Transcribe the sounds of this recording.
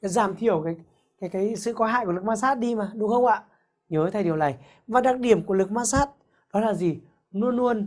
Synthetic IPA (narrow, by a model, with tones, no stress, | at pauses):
kaː˨˦jzaː˧˩mt̪ʰi˧˩əwkaː˨˦j | kaː˨˦jkaː˨˦jsɨ̰˧˨kɔ˧˦ɦa̰ː˧˨jku˧˩˨l̚mː˧saː˦˥t̚ɗi˧maː˨˩ɗʊ˨˧˦xə˧wŋ͡mʔa̰ː˧˨ | ɲəː˨˦t̪ʰa˨˧˩ɗəwlaː˨˩j | vaː˨˩ɗa˨˩k̚ɗi˧˩əmku˧˩əlɨ˨˩k̚maː˧saː˦˥t̚ | ɗɔ˨˦laː˨˩zi˨˩ | nu˧ənːu˧ən